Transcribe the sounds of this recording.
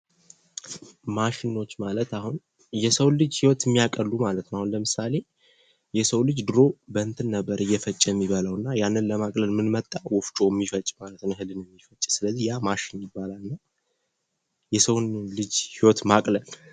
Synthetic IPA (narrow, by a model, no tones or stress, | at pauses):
maʃɪno̞t͡ʃːmalət̪ahun | jɛsəwnlɨd͡ʒhiwɔt̪mːijakʼəlːumalət̪nahunləmɨsale̞ | jɛsəwlɨd͡ʒd̪ɨɾo̞bənt̪ʰɨnːəbːəɾɨjːɛfət͡ʃʼːjɛmːiβələwɨnːajanːɨnləmakʼləlmɨnmət̪ʼːawɔft͡ʃʼojmːifət͡ʃʼmalət̪nhɨlɨnɛmːifət͡ʃʼsɨləzːijamaʃɪnmibːalalɨnːa | jɛsəwnlɨd͡ʒhiwɔt̪makʼləl